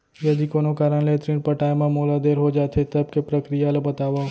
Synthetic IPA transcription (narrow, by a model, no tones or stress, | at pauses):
jɐd̪ikoːnõkaːɾənleːt̪ɾĩnpɐʈaːjmãmoːlad̪eːɾɦod͡ʒaːt̪ʰet̪ɐb̚kepɾɐkɾijalabɐt̪aːʋa